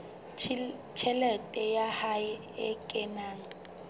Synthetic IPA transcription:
t͡ʃʰɛlɛtʼɛjahajɛ | ɛkʼɛnaːŋ

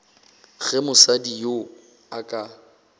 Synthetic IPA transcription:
ɣɛmʊsadijo | akʼa

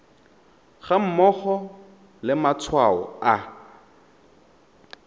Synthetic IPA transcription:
χam̩mɔχɔ | lɪmat͡sʰwaɔ̰a

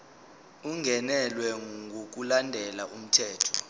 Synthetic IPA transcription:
uŋɡʱɛnɛlwɛŋʱok̬ʼulandʱɛlaʔum̩tʰɛːtʰɔ̥

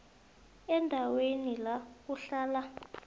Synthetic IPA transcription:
ɛndʱawenilak̬uɬaːla

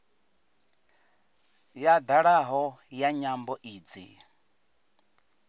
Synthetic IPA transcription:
jad̪aɺaɦɔjaɲambɔʔiːd͡zi

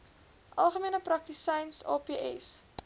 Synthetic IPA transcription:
ʔɐlˠχəmiənəprɐk̚tisɛjnsɑ̰ːpeːʔɛ̰s

